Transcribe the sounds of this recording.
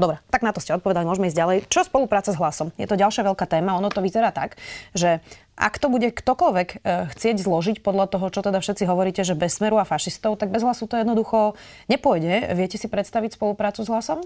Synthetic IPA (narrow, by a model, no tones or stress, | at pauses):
d̪ɔbɾɛt̪aɡnat̪ɔscɛɔt̪̚pɔʋɛd̪alimʊɔʒmɛiːzɟalɛjt͡ʃɔspɔlupɾaːt͡sazɦlasɔmjɛ̰t̪ɔɟalʃɪaʋɛlkaːt̪ɛːmaɔnɔt̪ɔʋizɛɾaːt̪a̰kʒɛ | ʔa̰kt̪ɔbuɟɛkt̪ɔkɔʎʋɛkxt͡sɪɛɟzlɔʒicpɔd̪ʎat̪ɔɦɔt͡ʃɔt̪ɛd̪afʃɛt̪t͡siɦɔʋɔɾiːcɛʒɛbɛsːmɛɾuafaʃist̪ɔʊt̪aɡ̚bɛzɦlasut̪ɔjɛd̪nɔd̪uxɔ | ɲɛpʊɔjɟɛʋɪɛcɛsipɾɛt̪st̪aʋicspɔlupɾaːtt͡suzɦlasɔm